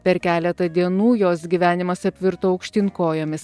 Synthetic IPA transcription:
pʲɛɾkʲæːlʲɛt̪ɐd̪ʲiɛnuːjoːsɡʲiːʋʲæːnʲɪmɐsɐpʲʋʲɪɾt̪oːɐʊkʃʲt̪ʲɪŋkoːjoːmʲɪs

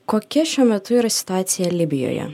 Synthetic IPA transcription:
koːkʲɛʃʲuːɔmʲɛt̪ʊiːɾɐsʲɪ̥t̪ʊaːt̪sʲɪjɛlʲɪbʲɪjo̰ːjɛ̰

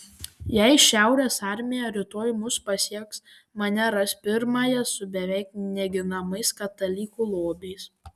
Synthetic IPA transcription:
jɛɪʃʲæˑʊɾʲeːsɑˑɾʲmʲɪjɛɾʲɪt̪oːjmʊspɐsʲiɛks | mɐnʲɛɾɐsʲpʲɪɾmɑːjɛsʊbʲɛʋʲɛɪk̚nʲɛɡʲɪnɐmɐɪskɐt̪ɐlʲiːkuːlˠoːbʲɛɪs

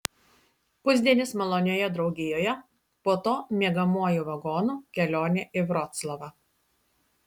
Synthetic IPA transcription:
pʊzʲd̪ʲiɛnʲɪsmɐlˠɔnʲoːjɛd̪ɾɒʊɡʲɪjoːjɛ | poːt̪oːmʲiɛɡɐmuɔjuːʋɐɡoːnuːkʲɛlʲoːnʲeːʔɪʋɾɔt̪slˠɔʋɑ

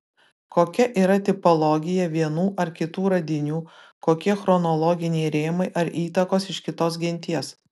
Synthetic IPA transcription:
koːkʲɛʔiːɾɐt̪ʲɪpɔlˠɔːɡʲɪjɛʋʲiɛnuːʔɐɾkʲɪt̪uːɾɐd̪ʲɪnʲuː | koːkʲiɛxɾɔnɔlˠɔːɡʲɪnʲeɪɾʲeːmɐɪʔɐɾiːt̪ɐkoːsɪʃkʲɪt̪oːs̬ɡʲɪnʲt̪ʲiɛs

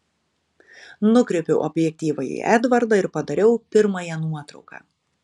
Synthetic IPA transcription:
nʊkɾʲɛpʲɛʊʔɔbʲjɛk̚ʲt̪ʲiːʋɐjḭʔæd̪ʋɐɾd̪ɐɪɾpɐd̪ɐɾʲɛʊpʲɪɾmɐjɛnuɔt̪ɾɒ̰ʊkɑ̰ː

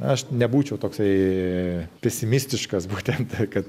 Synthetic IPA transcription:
ɐʃnʲɛbuːt͡ʃʲɛʊt̪oːksɐɪ | pʲɛsʲɪmʲɪsʲt̪ʲɪʃkɐsbuːt̪ʲɛnt̪kɐt̪

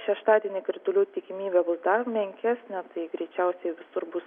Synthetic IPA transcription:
ʃʲɛʃt̪ɑːd̪ʲiɛnʲɪkɾʲɪt̪ʊlʲuːt̪ʲɪkʲɪmʲiːbʲɛbʊsd̪ɐrmʲɛŋʲkʲæːsʲnʲɛt̪ɐɪɡɾʲɛɪt͡ʃʲɛʊsʲɛɪʋʲɪsʊɾbʊs

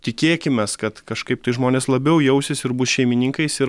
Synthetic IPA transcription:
t̪ʲɪkʲeːkʲɪmʲɛskɐt̪kɐʃkɐɪpt̪ɐɪʒmoːnʲeːslˠɐbʲɛʊjɛʊsʲɪsɪɾbʊsʃʲɛɪmʲɪnʲiŋkɐɪsɪ

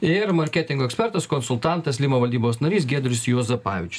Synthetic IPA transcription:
ɪɾmɐɾʲkʲæːt̪ʲɪŋɡoɔɛksʲpʲɛɾt̪ɐskɔnsʊlˠt̪ɑˑnt̪ɐslʲimoːʋɐlʲd̪ʲiːboːsnɐɾʲiːsɡʲeːd̪ɾʲɪsjoːzɐpɑːʋʲɪt͡ʃʲʊ̥s

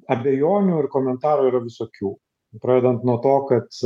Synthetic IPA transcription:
ɐbʲɛjoːnʲuːɪɾkoːmʲɛnt̪ɑːɾuːiːɾɐʋʲɪsoːkʲuː | pɾɐed̪ɐnt̪nuɔt̪oːkɐt̪

